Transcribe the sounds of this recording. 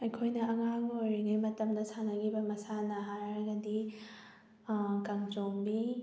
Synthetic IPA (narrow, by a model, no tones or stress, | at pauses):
ɐjkʰojnɐɐŋaŋojɾiɡɐjmɐtɐmdɐsanɐɡibɐmɐsanɐɦaɾɐɾɐɡɐdi | kaŋt͡ʃoŋbi